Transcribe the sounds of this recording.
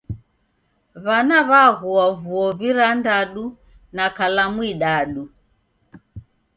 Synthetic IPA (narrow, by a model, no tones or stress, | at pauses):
βanaβaɣuavuɔviɾandaɗu | nakalamwiɗaɗu